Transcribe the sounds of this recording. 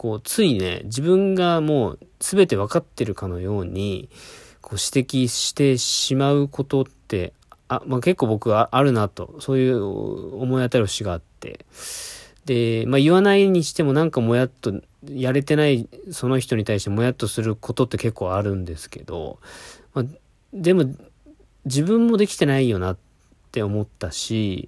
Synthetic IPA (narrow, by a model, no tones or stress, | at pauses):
ko̞ːt͡sɨine̞̰d͡ʑibɯ̟̃ŋɡamo̞ːsɨbe̞t̪e̞β̞akat̪ːe̞ɾɯ̟kano̞jo̞ːɲ̟i | kʰo̞ːɕi̥t̪e̞kʲiɕi̥t̪e̞ɕimaɯ̟kʰo̞t̪o̞t̪ːe̞ | amake̞kːo̞ːbo̞kɯ̟aʔaɾɯ̟nat̪o̞̰so̞ːjɯ̟̰ːomo̞iat̪aɾioɕiɡaːt̪ːe̞̰ | d̪e̞maiβanaiɲ̟iɕi̥t̪e̞mo̞nãŋkamo̞jat̪ːo̞ | jaɾe̞t̪e̞naiso̞no̞çi̥t̪o̞ɲ̟it̪aiɕi̥t̪emo̞jat̪ːo̞sɨɾɯ̟ko̞t̪o̞t̪ːe̞ke̞kːo̞ːaɾɯ̟̃nd̪e̞sɨ̥ke̞̰d̪o̞̰ma | d̪e̞mo̞ | d͡ʑibɯ̟̃mːo̞d̪e̞kʲi̥t̪e̞naijo̞nat̪ː | e̞o̞mo̞t̪ːaɕi